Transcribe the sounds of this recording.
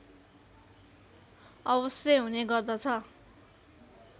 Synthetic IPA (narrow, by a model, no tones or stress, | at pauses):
ʌbʌsjʌɦuneɡʌrd̪ʌt͡sʰʌ